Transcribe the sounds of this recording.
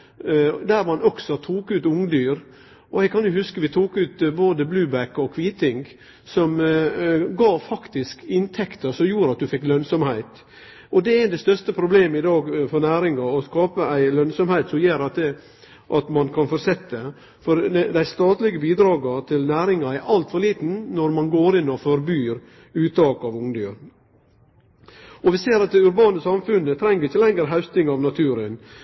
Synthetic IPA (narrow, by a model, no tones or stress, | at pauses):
d̪æɾʋɑnɔksɔt̪ʰuːkʉːt̪ʊŋːd̪yːɾ | ʔɔɛɪɡkʰɑnjʊhʉskəʋɪt̪ʰuːkʉːt̪boːd̪əblʉːbækːɔkʰʋiːt̪ɪŋɡ | sɔm | ɡɑːfɑkt̪ɪskɪnt̪ʰɛkt̪əɾsɔmjuːɾəɑt̪̚d̪ʉfɛkːlœnsɔmhæɪt̪ | ʔɔd̪ɛɪnd̪ɛst̪œɾst̪əpʰɾʊbleːməɪd̪ɑːɡfɔɾnæːɾɪŋɑɔskɑːpəæɪlœnsɔmhæɪt̪sɔmjeːɾɑt̪ɛ | ʔɑt̪mɑnkʰɑnfɔɾsɛt̪ːə | fɔɾd̪æɪst̪ɑːt̪lɪɡəbiːd̪ɾɑːɡɑt̪ʰɪlnæːɾɪŋɑɛɾʔɑlt̪fɔɾɭiːt̪n̩nɔɾmɑnɡoːɾɪnːɔfɔɾbyːɾ | ʉːt̪ʰɑːkɑʋʊŋd̪yːɾ | ɔʋɪseːɾɑt̪̚d̪ɛʉɾbɑːnəsɑmfʉnːət̪ʰɾɛŋːəɾɪçːəlɛŋːəɾɦɑʉst̪ɪŋɑʋnɑt̪ʰʉːɾən